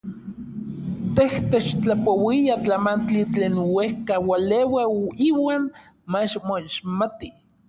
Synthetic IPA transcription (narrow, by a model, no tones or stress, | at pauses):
t̪eht̪et͡ʃt͡ɬapowiat͡ɬamant͡ɬit͡ɬeːnwehkawalewaiwaːn | mat͡ʃmoiʃmat̪i